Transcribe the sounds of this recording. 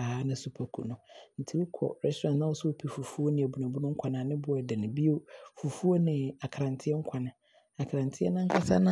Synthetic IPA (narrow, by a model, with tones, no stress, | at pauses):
aː˨˦nɪ̃˦su˨pʰa˨kʰṵ˨nʊ̃˨n̩˨tʰi˦wu˦kʰɔ̰˨ɾɛ˦stʰɾã˨nsnã˦wɔ˦sʊ˦o˨pʰi˨fu˨fu˦o˦nɪ̃˨æ˨bu˨nã˨bu˦nʊ̃˦ŋ̩˦kʷʰa˨nãː˨˦nɪ̃˦bʊ˨dɛ˨nɪ̃˨bi˦o˦fu˨fu˦o˦nɪ̃˨a˨kʰɾã˨ntʰɪ˦ɛ˦ŋ̩˦kʷʰa˨nã˨ | a˨kʰɾã˨ntʰɪ˦ɛ̰˦nã˦ŋ̩˦kʰa˦sa̰˦nã˦